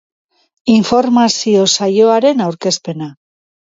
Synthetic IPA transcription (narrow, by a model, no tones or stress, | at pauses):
iɱfo̞ɾmasio̞saʝo̞aɾe̞nawɾke̞spe̞na